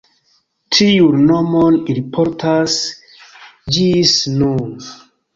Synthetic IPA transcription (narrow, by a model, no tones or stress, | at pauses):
tʰiunːomonɾipʰoɾtʰas | d͡ʒisnun